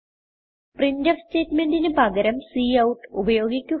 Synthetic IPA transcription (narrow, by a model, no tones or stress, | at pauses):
prindɐfsteːtme̞ndinɨpɐɡɐɾɐmsiːɐwʈːɨubɐjo̞ːɡikʲːu